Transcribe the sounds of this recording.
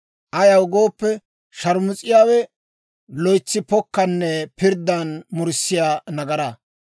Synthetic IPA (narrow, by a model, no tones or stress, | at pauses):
ʔɐjɐwʊɡo̞ːpːɛ | ʃɐɾmʊt͡sʼːɪjaːwɛ | lɔjt͡sːɪpɔkːɐnːɛpɪɾd̪ːɐnmʊɾsːɪjaːnɐɡɐɾɐ